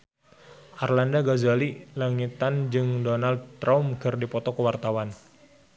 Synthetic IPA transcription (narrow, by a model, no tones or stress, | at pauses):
ʔarlandaɡazalilaŋit̪and͡ʒɨŋdonald̪̚t̪ɾaumkɨrdipɔt̪ɔkəwart̪awan